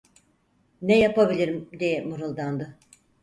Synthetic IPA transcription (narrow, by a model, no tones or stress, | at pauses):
nɛjapabilʲiɾimd̪ijɛmuɾɯlˠd̪and̪ɯ